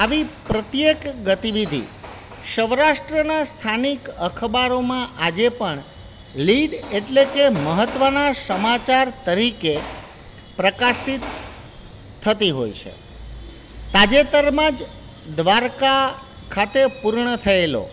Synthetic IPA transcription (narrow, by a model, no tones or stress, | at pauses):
aʋipɾət̪jekɡət̪iʋid̪ʱḭ | ʃəʋɾaʃʈɾənast̪ʰanikəkʰbaɾomãʔad͡ʒepəɳ | liɖeʈlekeməɦət̪ʋənasəmat͡ʃaɾt̪əɾike | pɾəkasit̪ʰ | ət̪iɦo̰jt͡ʃʰḛ | t̪ad͡ʒet̪əɾmãd͡ʒ | d̪ʋaɾka | kʰat̪epuɾɳət̪ʰəelo̰